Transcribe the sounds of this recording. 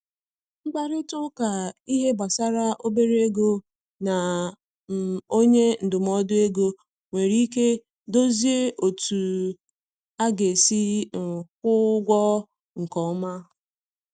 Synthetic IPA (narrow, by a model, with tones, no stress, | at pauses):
ŋ͡m̩˦ɡ͡ba˦ɾɪ˦tʊ˦ka˨i˦ɦe˦ba˨sa˦ɾa˦ʔo˦be˦ɾe˦ɡo˦ | na˨ | o˦ɲe˦n̩˨dʊ˨m˦ɔ˦dʊ˦e˦ɡo˦ | ŋʷe˨ɾi˦ke˦ | do˦zi˦e˦ʔo˨tu˨ | a˦ɡe˨si˦ŋ̩˨k̚ʷʊ˦ɡʷɔ˦ | ŋ̩˨kɔ˨˦ma˦